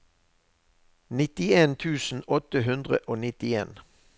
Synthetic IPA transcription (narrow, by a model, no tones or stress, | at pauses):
nɪt̪ɪeːnt̪ʰʉːsn̩ɔt̪əɦʉnd̪ʁə̰ʔoːnɪt̪ɪeːn